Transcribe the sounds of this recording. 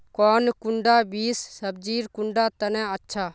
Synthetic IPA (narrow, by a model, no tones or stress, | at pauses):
kɔːnkʊɳɖaːbiːsːəb̚d͡ʒiːɾkʊɳɖaːt̪ɐnɛ̃ətːʃʰaː